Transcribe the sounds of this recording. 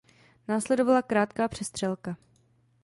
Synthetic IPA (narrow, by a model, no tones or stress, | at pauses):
naːslɛdo̞valakɾaːt̪kaːpr̝̥ɛst̪r̝̥ɛlka